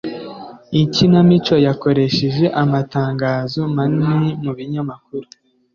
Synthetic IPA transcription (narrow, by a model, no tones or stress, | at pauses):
icinamit͡ʃo̞jako̞ɾe̞ʃeʒe̞ʔamataːŋɡaːzomaniimuβiɲamakuɾu